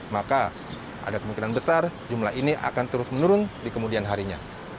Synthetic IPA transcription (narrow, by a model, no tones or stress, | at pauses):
maka | ʔa̰dakəmuŋkinanbəsard͡ʒumlainiʔa̰kant̪əɾʊsmənuɾʊndikəmudianɦaɾiɲa̰